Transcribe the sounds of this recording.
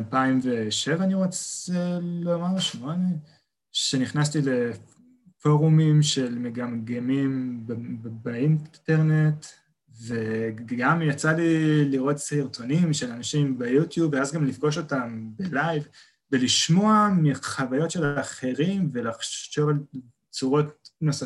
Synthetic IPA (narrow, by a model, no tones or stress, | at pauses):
lpaimveʃe̞vaːniʁo̞t͡selomaʁʃmone | ʃe̞niχnastile̞ | fo̞ʁumimʃe̞lmeɡamɡemimbbeinteʁne̞t | ve̞ɡɡamjat͡saliliʁo̞tsiʁtonimʃe̞lanaʃimbejutjubveazɡamlifɡo̞ʃo̞tambelajv | beliʃmo̞amiχavajo̞tʃe̞laχe̞ʁimve̞laχʃʃo̞val | t͡suʁo̞tnosa